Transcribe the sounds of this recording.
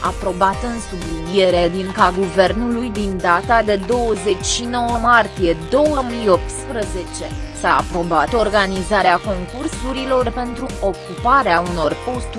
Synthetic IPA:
a̰pɾo̞bat̪ɨnsublinije̞ɾed̪iŋkaɡuve̞rnulujd̪ind̪at̪ad̪e̞d̪o̞wəzet͡ʃʲʃino̞wəmart̪ije̞d̪o̞wəmijo̞p̚t̪spɾəze̞t͡ʃe̞sa̰ːpɾo̞bat̪o̞rɡanizaɾeako̞ŋkursuɾilo̞rpe̞nt̪ɾuo̞kupaɾeauno̞rpo̞st̪u

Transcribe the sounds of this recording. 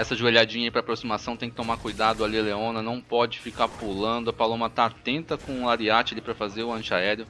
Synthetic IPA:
ɛsɐʒueʎad͡ʒĩɲɐaipɾɐaːpɾosimasɐ̃w̃t̪ẽj̃kɪt̪omakujd̪ad̪ʊalileõnɐnɐ̃w̃pɔd͡ʒɪfikaɾpulɐ̃nd̪ʊɐpalõmɐt̪aːt̪ẽnt̪ɐkõlaɾiat͡ʃɪɐlipɾɐfazeɾʊɐ̃t͡ʃaɛɾjʊ

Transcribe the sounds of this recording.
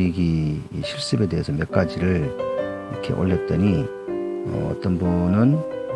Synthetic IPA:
iɡiɕʰiɭs͈ɯbe̞de̞ɦesʰʌmjʌk̚k͈ad͡ʑiɾɯɭ | iɾʌkʰe̞̰ʔo̰ɭːe̞t̚t͈ʌɲi | ʌ̰ʌ̰t͈ʌnbunɯn

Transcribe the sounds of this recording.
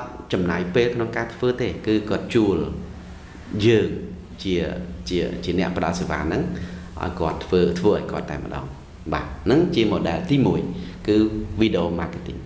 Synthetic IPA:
t̪̚t͡ɕɑmnaːjpeːlkʰnoŋkaːt̪ʰʋəːt̪eːkɨːkŏət̪̚t͡ɕuəl | jəːŋ | t͡ɕiət͡ɕiət͡ɕiənɛ̆əʔpə̆ɗɑlseːʋa̰ːnɨŋʔa̰ɔjkŏət̪ʰːʋəːt̪ʰʋəːʔaɔjkŏət̪ːa̰ɛmə̆ɗɑ̰ːŋ | ɓaːnɨŋt͡ɕiəmoːɗaːlt̪iːmuəjkɨːʋiːɗeʔoːmaːket̪ḭŋ

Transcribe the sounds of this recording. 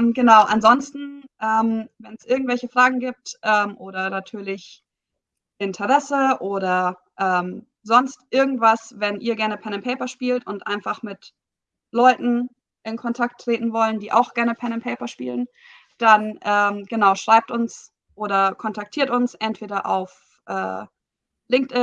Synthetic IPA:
mɡənaʊʔa̰nzɔnstn̩ʔɛːmvɛnsʔɪɐɡŋ̩tvɛlçəfʁ̥aːɡŋ̩ɡiːp̚tʔɛːmʔoːɾɐnatʰyːɐlɪç | ʔɪntʰəʁɛsəʔoːɾɐ | ʔɛːm | zɔnstʔɪɐɡŋ̩tv̥asvɛnʔiːɐɡɛɐnəpʰɛɐnɪmpʰɛɪpɐʃpiːltʊntʔa̰ɪnfaχmɪt | lɔʏtn̩ | ʔɪnkʰɔntʰak̚tʰːʁ̥eːtn̩vɔləndiːʔa̰ʊxɡ̥ɛɐnəpʰɛɐnəɪmpʰɛɪpɐʃpḭːlən | d̥anʔɛːmɡ̥ənaʊʃʁ̥aɪp̚tʊns | ʔoːɾɐkʰɔntʰak̚tʰiːɐtʊnsʔɛntv̥eːɾɐʔa̰ʊf | ʔɛ̰ː | lɪŋk̚tɪ

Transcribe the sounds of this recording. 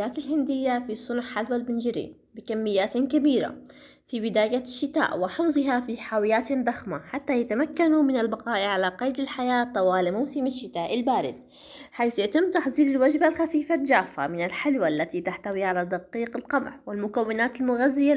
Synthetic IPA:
aːt̪ɪlɦɪnd̪ɪjːafisˤʊnħħalwalbɪnd͡ʒɾḭː | bɪkamːɪjːaːt̪kabiːɾa̰ | fibɪd̪aːjaʃːɪt̪a̰ːʔwɪħɪfzˤɨɦafiħaːwɪjaːt̪d̪ˤɑxmaħat̪ːajat̪amakːanumɪnalbaqɑːʔʕalaqɑjd̪ɪlħajaːt̪ˤːɑwɑːlmawsɪmaʃːɪt̪aːʔɪlbaːɾɪ̰d̪̚ | ħajθjaʔt̪ɪmːt̪ɑħzˤiːlɪlwad͡ʒbalxafiːfald͡ʒaːfːa̰mɪnalħɪlwaʔlːat̪it̪aħt̪awiʕalad̪ɑqiːqɪlqɑmʕwɪlmʊkawːɪnaːt̪ɪlmʊɣazːɪja

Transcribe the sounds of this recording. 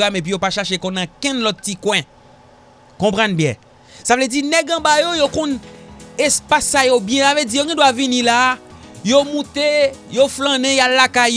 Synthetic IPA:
amep̬ɥijopaʃaʃekɔ̃nãkɛ̃nlɔt̪ːikwɛ̃ | kɔ̃pʁãnbjɛ̰̃ | savled͡zinɛɡɐ̃bajojokɔ̃nespasːajobjɛ̃saved͡zijoɡɛ̃dwavinĩla | jomũt̪ejoflãnɛ̃jallːakaj

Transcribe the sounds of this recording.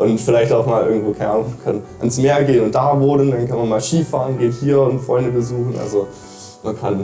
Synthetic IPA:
ʔʊntfɪlaɪçtaʊxmaːlʔɪɐɡŋ̩tv̥oːkʰaɪnəʔaːnʊkʰanʔansmeːɐɡeːənʊntd̥aːvʊləndankʰanmanmaːlʃiːfaːʁənɡeːthiːɐʊntfʁ̥ɔ̰ʏndəbəzuːxn̩ʔa̰lzo | mʔankʰa̰n

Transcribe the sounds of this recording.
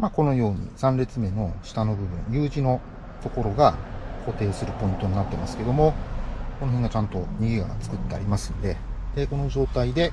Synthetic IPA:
mako̞no̞jo̞ːɲ̟ḭsãnɾe̞t͡sɨme̞no̞ɕi̥t̪ano̞bɯ̟bɯ̟̰̃ŋjɯːʑino̞ | t̪o̞ko̞ɾo̞ɡako̞t̪e̞ːsɨɾɯ̟po̞ĩnt̪o̞ɲ̟inat̪ːe̞masɨ̥ke̞d̪o̞mo̞ko̞no̞ɦẽ̞ŋɡat͡ɕãnt̪o̞ɲ̟iɡʲiɡa̰t͡sɨ̥kɯ̟t̪ːe̞a̰ɾʲimasɨ̥nod̪e̞d̪̥e̞ko̞no̞ʑo̞ːt̪aid̪e̞

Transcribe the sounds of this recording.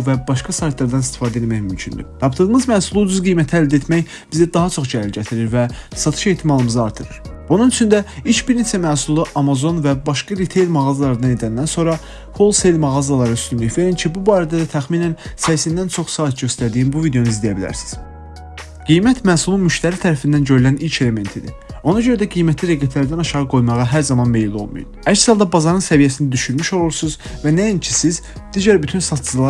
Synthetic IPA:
væbɑʃkɑsɑjt̪ʰlˠɑɾd̪ɑnist̪i̥fɑːd̪e̞lmæçmymcʰynd̪y̰t̪ʰɑpt̪ɯdɯmɯzmæːsulˠuːd͡ʒuzɡijmæt̪ʰiæld̪e̞t̪mæç | b̥izid̪ɑɦɑt͡ʃʰo̞χd͡ʒælilɟæt̪ʰiɾiɾvæsɑt̪ʰɯ̥ʃe̞jt̪ʰimɑlˠɯmɯzɯɑɾt̪ʰɯɾɯɾb̥ununyt͡ʃʰynd̪æit͡ʃbiɾnet͡ʃʰæmæːsulˠɯʔɑmɑzo̞nvæbɑʃkɑɾit̪ʰe̞jlˠmɑɣɑzɑlˠɑɾɯd̪ɑne̞d̪ænd̪ænso̞nɾɑ | hʰo̞lˠse̞jlʲmɑɣɑzɑlˠɑɾɯyst̪ynlyiçveɾincʰibubɑːɾæd̪æd̪æt̪ʰæxminænsæjsind̪ænt͡ʃʰo̞χsɑːt̪̚ɟø̞st̪æɾd̪ijinbuvid̪e̞ouizd̪ejæbilæ̰ɾsi̥z̥ | ɡ̥ijmæt̪ʰmæːsumunmyʃt̪æɾit̪ʰæɾæfind̪ænɟø̞ɾylænilcʰe̞le̞me̞nt̪ʰid̪ḭ | o̞nɑd͡ʒø̞ɾæd̪æɡijmæt̪ʰliɾe̞ɡæt̪ʰlæɾd̪ænɑʃɑʁɯɡo̞jmɑʁɑɦæɾzɑmɑnmejilolˠmṵjṵ̥æçsɑlˠd̪ɑbɑzɑɾɯnsævijæsinæd̪yʃynmyʃo̞lˠuɾsuzvænæincʰisiz | d̪̥iɟæɾbyt̪ʰynsɑt̪ʰd͡ʒlˠɑ

